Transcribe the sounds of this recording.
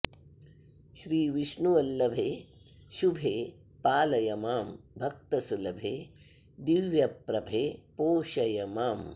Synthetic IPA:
ʃɾiːʋiʃnuʋɐlːɐbʱeː | ʃubʱeː | paːlɐjɐmaːmbʱɐk̚t̪ɐsulɐbʱeː | d̪iʋjɐpɾɐbʱeːpoːʃɐjɐmaːm

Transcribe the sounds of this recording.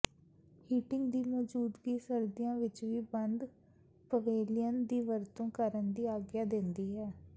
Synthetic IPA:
hiːʈɪŋɡd̪iːmɔːd͡ʒuːd̪ɡiːsəɾd̪ijãːʋɪt͡ʃʋiːbənd̪ | pəʋeːlɪjənd̪iːʋəɾt̪õːkəɾənd̪iːaːɡjaːd̪ɪnd̪iːɦɛː

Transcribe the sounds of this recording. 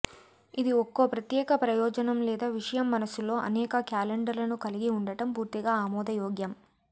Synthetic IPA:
id̪iɔkːoːpɾɐt̪jɛːkɐpɾɐjɔːd͡ʒɐnɐmlɛːd̪aːʋiʂɐjɐmːɐnɐsulo̞ːʔɐ̰nɛːkɐkjaːleɳɖɐɾlɐnukɐliɡiuɳɖɐʈɐmpuːɾt̪iɡaːaːmɔːd̪ɐjɔːɡjɐm

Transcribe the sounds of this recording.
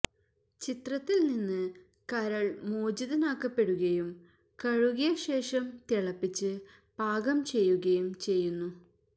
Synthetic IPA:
t͡ɕit̪rɐt̪ːilninːɨ | kɐɾɐɭmoːd͡ʑiðɐnaːkːɐpːe̞ɽuɣɐjum | kɐɻuɣɐjɐɕe̞ːʂɐmt̪iɭɐpːit͡ɕːɨ | b̥ʱaːɡɐmt͡ɕe̞jːuɣɐjumt͡ɕe̞jːunːu

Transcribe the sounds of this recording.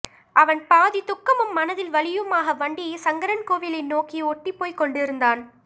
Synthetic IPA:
ʔɐʋɐnpaːðit̪ʊkːɐmɯmːɐnɐðɪlʋɐɭɪjɯmaːɣɐʋɐɳɖɪjesɐŋɡɐɾɐnkoːʋɪlɪnːoːkiɔʈːipːoːjkɔɳɖɪɾɯnd̪aːn

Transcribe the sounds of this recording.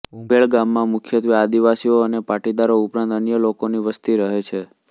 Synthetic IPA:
ubʱeɭɡamːãmʊkʰjət̪ʋiad̪iʋasioənepaʈid̪aɾoupɾãnt̪ənjəlokoniʋəst̪iɾəɦet͡ʃʰe

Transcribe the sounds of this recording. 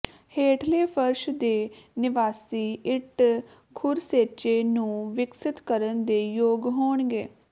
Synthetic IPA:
heːʈʰleːpʰəɾʃd̪eːnɪʋaːsiːʔɪʈ | kʰʊɾseːt͡ʃeːnũːʋɪksɪt̪kəɾənd̪eːjoːɡɦoːɳɡeː

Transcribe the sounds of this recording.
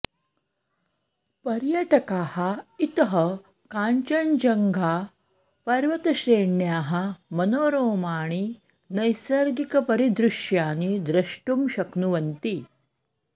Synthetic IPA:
pɐɾjɐʈɐkaːhɐit̪ɐɦɐ | kaːɲt͡ʃɐnd͡ʒɐŋɡʱaː | pɐɾʋɐt̪ɐɕɾeːɳjaːɦɐmɐnoːɾoːmaːɳ̃i | nɐjsɐɾɡikɐpɐɾid̪ɾuʂjaːnid̪ɾɐʂʈumɕɐknuʋɐnt̪i

